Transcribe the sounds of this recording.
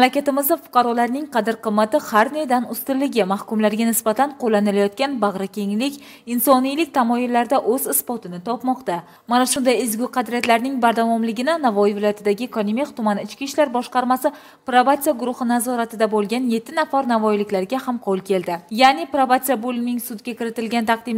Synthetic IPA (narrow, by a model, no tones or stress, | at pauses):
mlakʲat̪ɪmɪzd̪afʊ̥qʰɑɾɒlaɾnɪŋqʰɑd̪ɪɾqɨmːat̪ɪhaɾned̪anʊst̪ɪlːɪɡʲɪmahkʊmlaɾɡʲanɪsbat̪anqʰolːanɪlajɒt̪̚kʲanbaʁɾakʲe̞ŋlɪkʲ | ɪnsɒnijlɪkʲt̪ʰamɒjɪlːaɾd̪aʔɵzɪspɒt̪ʰɪnɪt̪ʰɒpmɒqt̪a | manaʃʊnd̪ajɪzɡʲʊqʰɑd̪ɾijat̪laɾnɪŋbaɾd̪avɒmlɪɡʲɪnanavɒjɪvɪlɒjat̪ɪd̪aɡʲɪkʰonimiqt̪ʊmanɪt͡ʃkʲiʃlaɾbɒʃqɑɾmasɪ | pɾavat̪sijaɡʊɾʊhɨnazɒɾat̪ɪd̪abolˠɡʲanje̞t̪ʰːɪnafaɾnavɒjɪlɪkʲlaɾɪɡʲahamqʰolˠkʲe̞lˠd̪ɪjanɪpɾavat̪sijabolnɪŋsʊd̪ɡʲakʲɪɾɪt̪ɪlɡʲant̪ʰɑq̚d̪ɪm